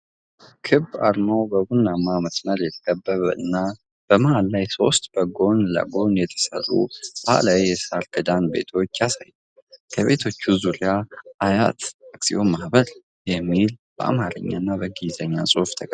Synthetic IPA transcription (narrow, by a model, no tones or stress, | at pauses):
kʰɨbːa̰ɾnəwbəbunːamːaməsməɾjɛt̪ʰə̥kʼəbːəβəɨ̰nːa | b̥əməʔalːajso̞̰st̪ʼb̥əɡo̞nlə̰ɡo̞njɛt̪ʰə̥sə̰rʼṵb̥aha̰lawjɛsaɾkɨd̪anbe̞̰t̪ʰo̞t͡ʃːjasajə | kʰəβe̞t̪ʰo̞t͡ʃːuzuɾiaaja̰t̪aksio̞mahbəɾ | jɛmːilb̥əa̰maɾəɲːa̰nːabəɡizəɲːasʼuhft̪ʰəkʼə